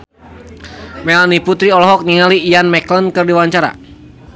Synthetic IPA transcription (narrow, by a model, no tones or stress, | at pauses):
mɛlaniput̪ɾiɔlɔɦɔk̚niŋaliːjanmɛklənkɨrdiwaɲt͡ʃaɾa̰